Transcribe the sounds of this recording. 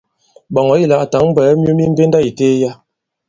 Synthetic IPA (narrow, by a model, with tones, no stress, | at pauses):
bɔ˨ŋɔ˨˦i˦˨la˨ta˨˦ŋm̩˦bɛ˨˦m˦o˦mi˦m̩˦be˦n˦da˦i˨teː˦ja˦